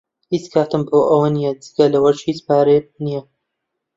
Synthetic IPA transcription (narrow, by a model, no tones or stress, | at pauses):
hit͡skʰaːt̪ɨmboːʔɐwɐnijɛd͡zɨɡɐlɐwɐɾt͡ʃhiːt͡spaːɾenijɐ